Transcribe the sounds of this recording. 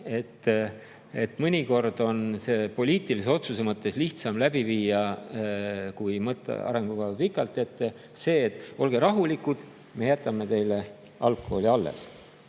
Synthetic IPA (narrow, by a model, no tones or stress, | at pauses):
e̞t̪ː | e̞t̪mɤnʲiko̞rd̪̥o̞nse̞ːpo̞lʲiːt̪ˑiliseo̞t̪suse̞mɤt̪ːe̞sliht̪sɑmlæb̥iviːjɑ | kujmɤt̪ːˑḛɑ̰ɾe̞ŋɡ̥uɡɑpikːˑɑlt̪ːˑe̞t̪ː | se̞ːt̪ːˑo̞lɡ̥e̞ɾɑɦulikːud̪̥ | me̞jæt̪ːˑɑmːe̞t̪e̞jle̞ | ʔɑlkːˑo̰olʲiɑlːḛs